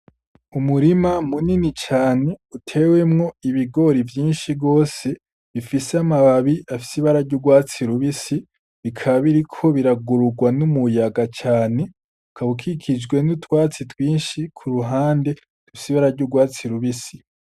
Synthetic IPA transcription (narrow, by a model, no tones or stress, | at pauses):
umuɾimamuninit͡ʃaːne̞utʰe̞we̞mŋo̞iβiɡo̞ɾivjiːnʃiɡo̞ːse̞ | βifiseamaβaβiʔafi̥siβaɾaɾɟuɡwaːt͡siɾuβisi | βikʰaβiɾikʰo̞βiɾaɡuɾuɡwanumujaɡat͡ʃaːne̞ | kʰaβukʰikʰid͡ʒɡwe̞nutwaːt͡sitwiːnʃikʰuɾuɦaːnde̞ | d̥ufi̥siβaɾaɾɟuɡwaːt͡siɾuβisi